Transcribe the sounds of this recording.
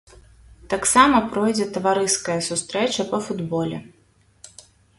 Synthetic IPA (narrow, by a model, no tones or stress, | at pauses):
t̪aksamɐpɾɔjd͡zʲɛt̪ɐvaɾɨskɐjɐsust̪ɾɛt͡ʃɐpɐfud̪bɔlʲɛ̰